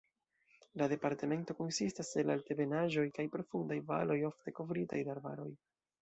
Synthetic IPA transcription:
lade̞paɾte̞me̞nto̞ko̞nsistase̞lalte̞be̞naʒo̞jkajpɾo̞fundajva̰lo̞jo̞fte̞ko̞vɾitajdaɾba̰ɾo̞̰j

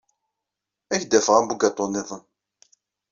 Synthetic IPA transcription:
æçd̪æfʁæmbuɡɑt̪ˤːonːeðˤən

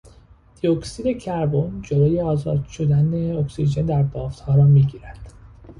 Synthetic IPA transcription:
d̪̥ioksiːd̪e̞cʰæɾbond͡ʒoloːje̞ɒːzɒ̰ːd̪ʃo̞d̪æneoksiʒend̪æɾbɒːft̪hɒːɾɒːmiːɟiːɾæd̪̥

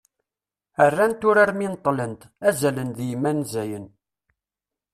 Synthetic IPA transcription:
ərːænt̪ʊɾaɾmint̪ˤːlənt̪ | æzælənðjmːænzæjən

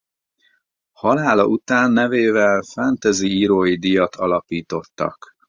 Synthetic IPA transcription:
hɒlaːlɒ̰ʔut̪aːnːɛveːvɛlfɛnt̪ɛziiɾoːjid̪ijɒt̪ʰɒlɒpiːt̪o̞t̪ːɒ̰k

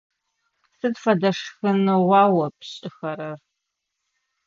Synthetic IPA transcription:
sɨdfɐdɐʂxɨnɨwɑːwɐpʰɕʼɪxɐɾɐr

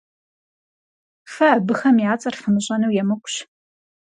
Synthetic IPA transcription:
fɐːbɨxɐmjaːt͡sʼɐrfɨmɨɕʼɐnɐwjɛmɨkʷʼʊɕ

